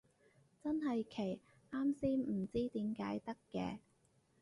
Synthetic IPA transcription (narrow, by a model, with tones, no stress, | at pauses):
t͡sɐ˥nɦɐ˨jkʰe˨˩j | ʔaː˥msiː˥m̩˨˩t͡siː˥t̪iː˨˥mkaː˨˥jt̪ɐ˥kːɛ̰ː˧